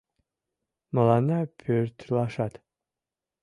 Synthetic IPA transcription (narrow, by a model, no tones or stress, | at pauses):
məlˠɑnapʰøɾt̪ʰlˠɑʃɑt̪